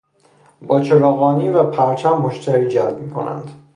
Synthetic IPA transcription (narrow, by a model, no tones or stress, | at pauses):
bɒːt͡ʃʰeɾɒːɣɒːniːvæpʰæɾt͡ʃʰæmːoʃt̪ʰæɾiːd͡ʒælbmiːkʰo̰nʔæ̰nd̪̥